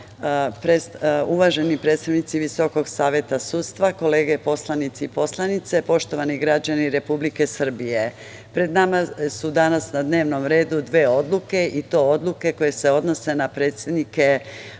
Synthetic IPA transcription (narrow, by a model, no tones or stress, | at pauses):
pɾesuʋaʒe̞nipɾet̪st̪aʋnit̪siʋiso̞ko̞ɡsaːʋje̞t̪asuːt̪st̪ʋako̞le̞ːɡepo̞slˠanit̪siipo̞slanit̪se̞po̞ʃt̪o̞ʋaniɡɾad͡ʑaniɾe̞publike̞sr̩bije | pɾe̞d̪namasud̪anasnad̪ne̞ːʋno̞mɾe̞ːd̪ud̪ʋe̞ːo̞d̪lˠuke̞ʔit̪o̞od̪lˠuke̞ko̞je̞se̞o̞d̪no̞se̞napɾe̞ːt̪se̞d̪nike̞